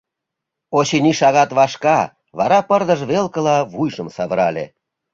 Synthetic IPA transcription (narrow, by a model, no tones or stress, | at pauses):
oɕiniʃɑɣɑt̪βɑʃkɑ | βɑɾɑpərd̪ə̆ʒβelkəlɑβujʒəmsɑβəɾɑlʲḛ